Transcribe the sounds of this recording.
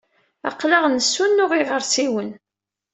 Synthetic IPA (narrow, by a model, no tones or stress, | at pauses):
æ̰qːlaʁnəsːunːʊʁiʁəɾsiwən